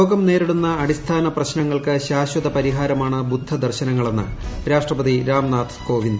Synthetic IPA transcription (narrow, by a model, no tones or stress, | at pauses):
oːɡɐmne̞ːɾiɽunːɐːɽist̪ʰaːnɐprɐɕnɐŋːɐɭkɨɕaːɕwɐd̪ɐpɐɾiɦaːɾɐmaːɳɨbud̪ʱːɐd̪ɐrɕɐnɐŋːɐɭenːɨ̰ɾaːʂʈrɐpɐðiɾaːmnaːt̪ʰko̞ːʋind̪